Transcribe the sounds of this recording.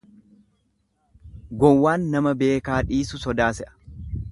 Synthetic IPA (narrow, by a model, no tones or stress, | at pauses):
ɡɔwːaːnːɐmɐbe̞ːkaːᶑiːsʊsɔd̪aːsɛʔɐ̥